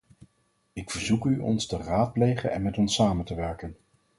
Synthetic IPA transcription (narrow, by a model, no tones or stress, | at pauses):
ɪkfəɹzukyʔɔ̰nstəraːt̚plejχə̰nɛ̰nmɛtɔnsaːməntəʋɛɹkən